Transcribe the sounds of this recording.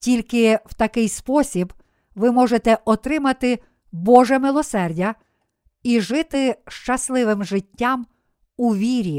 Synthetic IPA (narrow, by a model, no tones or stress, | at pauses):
tʲilʲkɪwt̪ɐkɪjspɔsʲib | ʋɪmɔʒet̪ɛʔɔt̪ɾɪmɐt̪ɪ | bɔʒɛmɪlˠɔsɛrdʲɐ | iʒɪt̪ɪʃt͡ʃɐslˠɪʋɪmʒɪtʲːam | uʋʲiɾʲi